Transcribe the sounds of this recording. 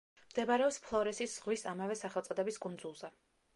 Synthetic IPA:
md̪ɛbaɾɛɔpspʰlˠɔɾɛsisz̥ʁwisamavɛsaχɛlˠt̪sʼɔd̪ɛbiskʼund̪zulˠzɛ

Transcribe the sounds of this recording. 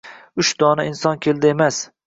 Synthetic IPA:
ʊʃd̪ɒnaɪnsɒnkʲʰe̞ld̪ɪemas

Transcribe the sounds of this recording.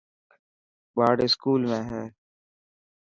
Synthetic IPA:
baːɖeskuːlmẽɦɛː

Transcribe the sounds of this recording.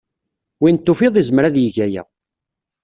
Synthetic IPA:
wint̪ːʊfiðˤizəmɾæðjəʝæjæ̰

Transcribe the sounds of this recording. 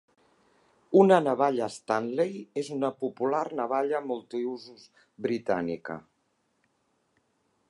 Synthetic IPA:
unənəβ̞aʎəst̪anlejezunəpupularnəβ̞aʎəmulˠt̪iuzuz | βɾit̪anḭkə̰

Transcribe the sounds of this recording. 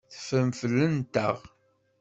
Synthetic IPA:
θə̥fəmfəlːənt̪ə̰ʁ

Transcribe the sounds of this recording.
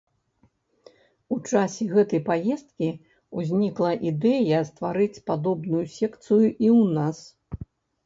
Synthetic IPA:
ut͡ʂasʲɛɣɛt̪ɐjpajɛst̪kʲi | uzʲnʲiklˠɐʔid̪ɛjɐst̪vaɾɨt͡sʲpad̪ɔbnujusʲɛkt̪sɨjuʔiwnas

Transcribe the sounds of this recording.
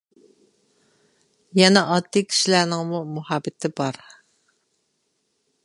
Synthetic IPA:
jɛnɛʔɑd̪ːikʲʰi̥ʃilæɾnɪŋmumuhɑːbɪt̪ʰɪbɑɾ

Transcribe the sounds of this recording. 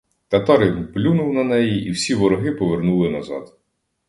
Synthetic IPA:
t̪ɐt̪ɑɾblʲunʊwnɐnɛjiiwsʲiʋɔɾɔɦɪpɔʋernulˠɪnɐzɑ̰d̪̥

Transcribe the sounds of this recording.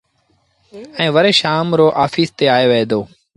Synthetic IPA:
ɛ̃ːʋəɾeːʃaːmɾoːʔaːfiːst̪eːaːeːʋeeːd̪oː

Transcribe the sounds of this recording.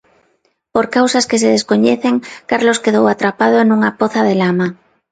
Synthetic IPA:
poɾkawsaskes̬eðeskoɲeθeŋkaɾloskeðowat̪ɾapað̞oenuŋapoθaðelama

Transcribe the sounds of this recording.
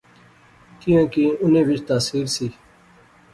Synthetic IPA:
t̪iõːkiːʊnẽːʋɪt͡ʃt̪aːsiːɾsiː

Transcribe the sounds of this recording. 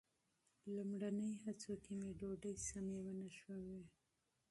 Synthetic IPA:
lumɽanəjhat͡sokemeɖoɖəjsamewanaʃwawi

